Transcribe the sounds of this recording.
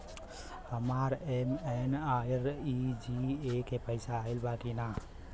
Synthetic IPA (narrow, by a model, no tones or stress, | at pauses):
həmaɾemenaɾid͡ʒiekepəɪsaːɪlbakina